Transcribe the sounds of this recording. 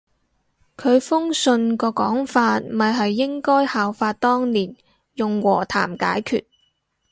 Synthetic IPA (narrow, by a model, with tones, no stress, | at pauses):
kʰɵ˨˧ɥfʊ˥ŋsɵ˧nkɔː˧kɔː˨˥ŋfaː˧t̚mɐ˨jɦɐ˨jːɪ˥ŋkɔː˥jhaː˨wfaː˧t̚t̪ɔː˥ŋliː˨˩n | jʊ˨ŋwɔː˨˩t̪ʰa̰ː˨˩mka̰ː˨˥jkʰy̰ː˨t̚